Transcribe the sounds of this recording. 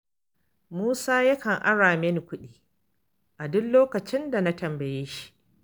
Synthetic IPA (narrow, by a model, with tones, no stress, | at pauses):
muː˦saː˦ja˦kɐ˨ŋʔa˦ɽaː˨meː˦ni˨kʷʊ˦ɗiː˦ | ʔa˨dʊ˦nloː˦kɐ˨t͡ʃɪ˦nda˨na˦tɐ˨mbɐ˨jeː˦ʃi̥˦ʔ